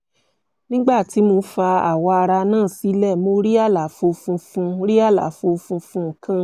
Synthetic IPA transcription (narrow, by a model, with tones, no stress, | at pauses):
nĩ˦ɡ͡ba˦˨ti˨˦mo˧fa˧a˦˨wɔ˧a˧ɾa˧nãː˦˨si˨˦lɛ˦˨mo˧˦ɾi˦a˦˨la˨˦fo˧fũ˧fũ˧ɾi˦a˦˨la̰˨˦fo˧fũ˧fũ˧ŋ̩˨˦˨kã˦